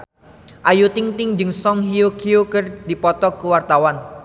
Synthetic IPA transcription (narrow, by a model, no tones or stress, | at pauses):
ʔajut̪ɪŋt̪ɪŋd͡ʒɨŋsɔŋhiokʰiokərd̪̥i̤pɔt̪ɔkəwart̪awan